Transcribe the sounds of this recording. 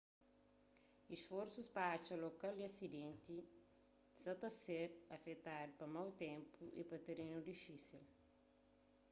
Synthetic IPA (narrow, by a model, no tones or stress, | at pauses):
isfɔɾsuspɐat͡ʃɐlokald̪iɐsid̪ẽnt̪i | sɐt̪ɐseɾɐfet̪aɾpɐmawt̪ɛ̃mpuʔḭpɐt̪eɾenud̪ifisil